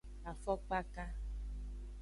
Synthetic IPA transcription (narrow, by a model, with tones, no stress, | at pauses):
a˨fɔ˦k͡pa˦ka˦